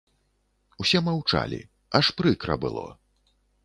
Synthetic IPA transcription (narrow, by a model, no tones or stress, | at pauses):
usʲɛmɐwt͡ʂa̰lʲḭ | ɐʂpɾɨkɾɐ̰bɨ̰lˠɔ̰